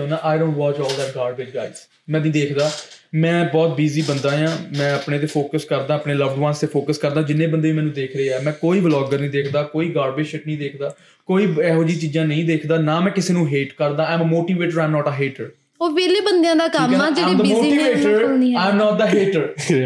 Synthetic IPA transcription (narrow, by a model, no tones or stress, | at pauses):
naːʔaːɪɖõːnʈwɔːt͡ʃɔːld̪ɛːʈ̚ɡaːɖbɪt͡ʃ̚ɡaːɪz | mɛ̃ːnĩːd̪eːkʰd̪aː | mɛ̃ːbɔːt̪̚biːziːbənd̪ãːjãːmɛ̃ːəpneːt̪̬eːpʰoːkəskəɾd̪ãːəpneːləʋɖʋãːnst̪eːpʰoːkəskəɾd̪ãːd͡ʒɪnːẽːbənd̪eːʋiːmɛ̃ːnũːd̪eːkʰɾəeːɛːmɛ̃ːkoːiːʋəlɔːɡəɾnĩːd̪eːkʰd̪aːkoːiːɡaːɾbeʃɪʈ̚nəĩːd̪eːkʰd̪aː | koːiːɛːɦoːd͡ʒiːt͡ʃiːd͡ʒãːnəĩːd̪eːkʰd̪aːnaːmɛ̃ːkɪseːnũːɦeːʈkəɾd̪aːãːməmoːʈiːʋeːʈəɾãɪmnɔːʈəɦeːʈəɾ | oːʋeːleːbənd̪ejãːd̪aːkəmad͡ʒedəmoːiʈiːʋeːʈəɾiaːɪmnɔːʈ̚d̪əɦeːʈəɾ